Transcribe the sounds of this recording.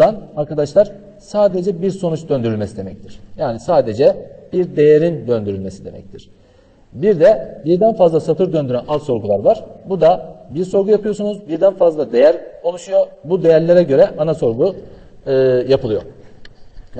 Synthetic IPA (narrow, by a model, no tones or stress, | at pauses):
anaɾkʰad̪aʃlˠaɾ̥ | saːd̪e̞d͡ʒɛbiɾso̞nut͡ʃd̪ø̞nd̪yɾylʲmesid̪e̞mɛc̚t̪ʰiɾ̥jaːnisaːd̪e̞d͡ʒɛb̥iɾd̪e̞jeɾind̪ønd̪yɾylʲme̞sid̪e̞mʔɛ̰c̚t̪ʰiɾ̥ | biɾd̪ɛbiɾd̪ænfazlˠasat̪ʰɯɾd̪ø̞nd̪yɾænazso̞ɾɡulˠaɾvaɾ̥bud̪abiɾso̞ɾɡujapɯjo̞sunuzbiɾd̪ænfazlˠad̪e̞jæɾko̞lˠuʃujobud̪e̞jæɾlʲe̞ɾɛɟø̞ɾɛʔanaso̞ɾɡu | ɯːjapʰɯlˠɯjo̞̰